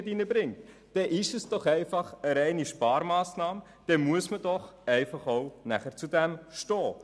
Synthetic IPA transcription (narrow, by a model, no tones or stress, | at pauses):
dinəbɾɪŋt | d̥ɛʔɪʃəsd̥ɔχɛɪfɑχəɾɛɪniʃpɑːɾmɑːsnɑːm | d̥ɛmuəsmədɔχɛɪfɑχoʊnæ̰χəɾt͡sudɛmʃtɔː